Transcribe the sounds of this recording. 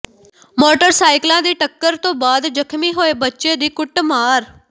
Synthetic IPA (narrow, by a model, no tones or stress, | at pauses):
moːʈəɾsaːɪklãːd̪iːʈəkːəɾt̪õːbaːd̪d͡ʒəkʰmiːɦoːeːbətːʃeːd̪iːkʊʈmaːɾ